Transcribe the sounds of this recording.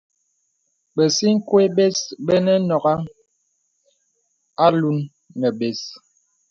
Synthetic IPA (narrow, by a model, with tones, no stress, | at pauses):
bə˨si˦ŋ̩˦kwe˦be˦sbə˦nɛ˦nɔ˨ɡa˦ŋ | a˦lu˦nː | ə˨be˨s